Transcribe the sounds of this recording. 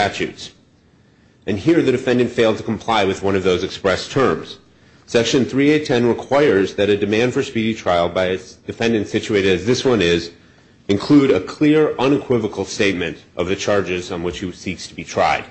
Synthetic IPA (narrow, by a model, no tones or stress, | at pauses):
tæt͡ʃʉ̰ts | ʔɨ̃nɦiɹðɨdɨfɛ̃ndɨ̃ntfeɪlˠd̚tʰəkʰm̩pʰl̥aɪwɨðwʌ̃nʌvðoʊzɨkspɹɛstʰɜ̃˞mz̥ | sɛkʃɨ̃nθɹieɪtʰɛ̃nɹɨkʰw̥aɪə˞zðɨɾɨdɨmæ̃nd̥fə˞spiɾitʰɹ̥aɪl̩ˠbaɪɨd̥ɨfɛ̃ndɨ̃ntsɪt͡ʃʉeɪɾɨɾɨzðɪswʌ̃nɪz | ɨ̃nkʰl̥uɾɨkʰl̥ɪɹʌ̃nɨkʰw̥ɪvəkʰl̩ˠsteɪt̚mɨ̃ntʔʌvðɨt͡ʃʰɑɹd͡ʒɪzn̩wɨt͡ʃhisikstʰəbitʰɹ̥a̰ɪd̥